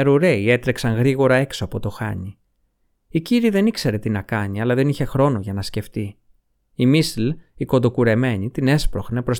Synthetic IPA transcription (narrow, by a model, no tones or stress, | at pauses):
eɾuɾe̞ie̞t̪ɾeksɐnɣɾiɣo̞ɾɐe̞ksoɐpo̞t̪oxɐ̰ɲi | iciɾiðe̞nikse̞ɾe̞t̪inɐkɐɲiɐlɐðe̞niçe̞xɾo̞no̞ʝɐnɐsce̞ft̪i | imisliko̞nd̪o̞kuɾe̞me̞ɲit̪ine̞spɾo̞xne̞pɾo̞s